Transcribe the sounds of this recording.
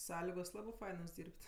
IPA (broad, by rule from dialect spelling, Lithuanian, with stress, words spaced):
ˈsɑːlʲɪɡoːs ˈlˠɑːbʲɪ ˈfɐɪnoːs ˈdʲiːrʲpʲtʲ